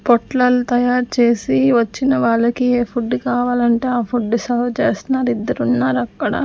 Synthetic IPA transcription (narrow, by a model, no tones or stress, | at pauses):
pɔʈlɐlut̪ɐjaːɾt͡ʃe̞ːsiʋɐt͡ʃːinɐʋaːɭːɐkieːpʰuɖːkaːʋaːlɐɳʈeːaːpʰuɖːusɐʋt͡ʃeːsnaːɾid̪ːɐɾunːaːɾɐkːɐɽɐ̰